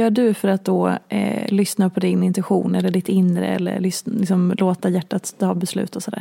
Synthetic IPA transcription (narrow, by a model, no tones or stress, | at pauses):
jœːɖɵfœɾat̪̚d̪oːlʏsnapʰɔd̪ɪnɪnt̪ʉɧṵːnɛlːəɖɪt̪ɪnɾə̰ɛ̰lːə̰ɾɭʏslɪksɔmloːt̪ajæʈːat̪t̪ɑːbɛslʉ̟̰ːt̪ɔsɔd̪æ̰ːɾ